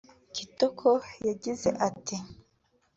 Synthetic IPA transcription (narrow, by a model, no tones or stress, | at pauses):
kitokʰojaɟize̞̰ʔati